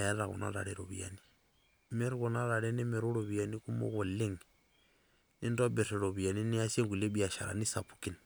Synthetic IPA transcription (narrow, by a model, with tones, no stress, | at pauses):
ja˨ɾɾa˨ɣṵ˨na̰˦ɾa̰˨ɾe˨ɾo̰˨βia̰˨ni˦ | me˦ɾɣu˨na˦ɾa˨ɾɛ˦ni˦me˨ɾu˦ɾo˨βi˨ja˨ni˦ku˦mo̰˦ko˨le˦ŋ | ni˦ndɔ˦be˨ɾe˨ɾo˨βi˨a˨ni˦ni˦a˦se˦ŋɡu˨le˦bi˦˨a˨ʃa̰˨ɾa̰˨ni˦sa˨pu˨ki˦˨n